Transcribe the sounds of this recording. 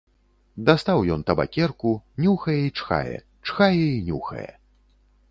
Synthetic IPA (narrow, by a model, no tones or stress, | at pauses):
d̪ast̪awjɔnt̪ɐba̰kʲɛrkunʲuxɐjɛit͡ʂxa̰jɛ̰ | t͡ʂxajɛinʲuxɐ̰jɛ̰